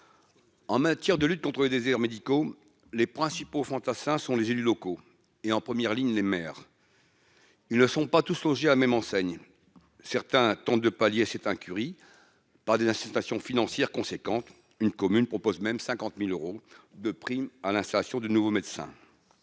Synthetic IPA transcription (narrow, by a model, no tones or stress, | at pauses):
ɑ̃mat̪jɛʁd̪əlyt̪̚kɔ̃t̪χəled̪ezɛʁmed̪iko | lepχɛ̃sipofɑ̃t̪asɛ̃sɔ̃lezelylɔko | eɑ̃pχəmjɛʁliɲlemɛːʁ | ilnəsɔ̃pat̪uslɔ̃ʒealamɛmɑ̃sɛɲ | sɛʁt̪ɛ̃t̪ɑ̃t̪̚d̪əpaljesɛt̪ɛ̃kʲyʁi | paʁd̪ezɛ̃sist̪asjɔ̃finɑ̃sjɛʁkɔ̃sekɑ̃t̪ | ynkɔmynpχɔpozmɛmsɛ̃kɑ̃t̪miløʁod̪əpχimalɛ̃st̪alasjɔ̃d̪ənuvomed̪sɛ̰̃